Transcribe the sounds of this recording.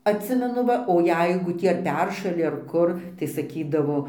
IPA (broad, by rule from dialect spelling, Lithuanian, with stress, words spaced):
ɐtʲˈsʲɪmʲɛnʊ ˈʋɐ oː ˈjɛɪɡʊ ˈtʲiː ɐr ˈpʲɛrʃɐlʲɪ ɐr ˈkʊr tɐɪ sɐˈkʲiːdɐʋoː